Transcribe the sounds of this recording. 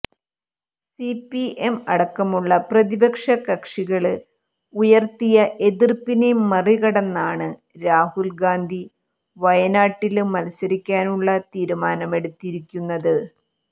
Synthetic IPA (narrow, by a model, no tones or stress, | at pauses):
sipiʔemɐɽɐkːɐmuɭːɐprɐðibɐkʂɐkɐkʂiɣɐɭɨ | ujɐrt̪ijɐʔe̞ðirpːinemːɐriɣɐɽɐnːaːɳɨ | ɾaːhulɡaːnd̪ʱi | ʋɐjɐnaːʈːilmɐlɐsɐɾikʲːaːnuɭːɐt̪iːɾumaːnɐme̞ɽut̪ːiɾikʲːunːɐðɨ